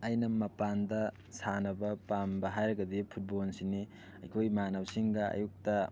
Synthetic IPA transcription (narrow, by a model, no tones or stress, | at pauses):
ɐjnɐmɐpandɐ | sanɐbɐpambɐɦajɾɐɡɐdipʰut̚bolnsini | ɐ̰jkʰojmanawsiŋɡɐɐ̰juk̚tɐ